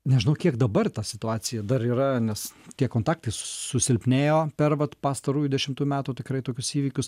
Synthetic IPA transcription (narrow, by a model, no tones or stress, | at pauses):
nʲɛʒʲɪnɐʊkʲiɛkd̪ɐbɐrt̪ɑsʲɪt̪ʊɑːt͡s̪ʲɪjɛd̪ɐɾiːɾɐnʲɛst̪ʲiɛkoːnt̪ɑːk̚t̪ɐɪssʊsʲɪlʲpʲnʲeːjoːpʲɛrʋɐt̪pɑːst̪ɐɾuːjʊd̪ʲɛʃʲɪmt̪uːjʊmʲæːt̪uːt̪ʲɪkɾɐɪt̪oːkʲʊsiːʋʲiːkʲʊs